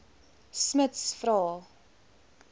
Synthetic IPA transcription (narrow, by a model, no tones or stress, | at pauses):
smətsfɾɑːlˠ